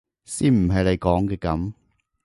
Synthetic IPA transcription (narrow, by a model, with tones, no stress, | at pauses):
siː˥˩m̩˨˩ɦɐ˨jle˨˧jkɔː˨˥ŋkɛː˧kɐ˨˥m